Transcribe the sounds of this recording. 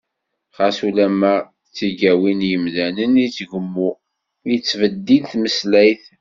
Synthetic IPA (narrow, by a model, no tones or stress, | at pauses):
χasulæmːæ | t͡sːiɡæwinjəmðænənit͡sːʝəmːu | jt͡sːvəd̪ːilθməslæjθ